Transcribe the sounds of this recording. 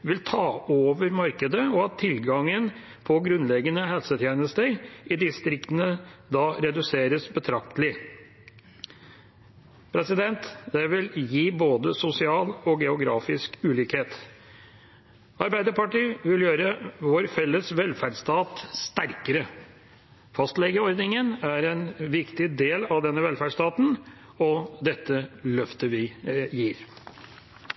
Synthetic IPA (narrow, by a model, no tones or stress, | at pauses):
ʋɪlt̪ʰɑːoːʋəɾmɑɾkəd̪əɔɑt̪ʰːɪlɡɑŋən | pʰɔɡɾʉnlɛɡənəhɛlsət̪ʰjeːnəst̪əɾʔɪd̪ɪst̪ɾɪkt̪ənəd̪ɑːɾɛd̪ʉseːɾəsbət̪ʰɾɑkt̪lɪ | pʰɾɛsɪd̪ɛnt̪d̪ɛʋɪljiːboːd̪əsʊsɪɑːlɔɡɛʊɡɾɑːfɪskʉːliːkheːt̪ | ɑɾbæɪd̪əɾpɑʈiːʋɪljøːɾəʋoːɾfɛlːəsʋɛlfæɖst̪ɑːt̪st̪æɾkəɾə | fɑst̪lɛɡəɔɾd̪nɪŋənæɾɛnʋɪkt̪ɪd̪eːlɑʋd̪ɛnːəʋɛlfæɖʂt̪ɑːt̪n̩ | ɔd̪ɛt̪ːəlœft̪əʋɪjiːɾ